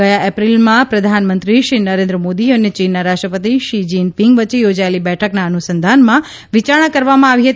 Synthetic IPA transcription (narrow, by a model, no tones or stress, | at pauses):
əjaʔɛpɾilmãpɾəd̪ʱanmə̃nt̪ɾiʃɾinəɾẽnd̪ɾəmod̪iənjət͡ʃinːaɾaʂʈɾəpət̪̬iʃid͡ʒinpiŋɡʋət͡ʃejod͡ʒaelibɛʈʰəknaənusənd̪ʱanmã | ʋit͡ʃaɾɳ̃akəɾʋamãaʋiɦət̪